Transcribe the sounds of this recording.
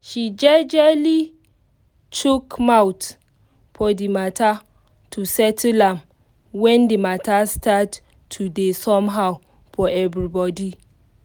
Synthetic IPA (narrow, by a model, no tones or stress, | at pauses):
ʃid͡ʒɛd͡ʒɛli | tukmawt | fɔdimatʰa | tʰusɛtʰlãm | wɛ̃ndimatastʰatʰː | udesɔ̃mɦaw | fɔɛvɹibɔdi